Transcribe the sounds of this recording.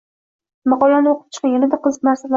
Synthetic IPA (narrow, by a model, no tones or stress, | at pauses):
mɑqɒlanɪoqʰɨ̥p̚t͡ʃʰɨ̥qʰajʲanɪd̪aqɨzɨnaɾsal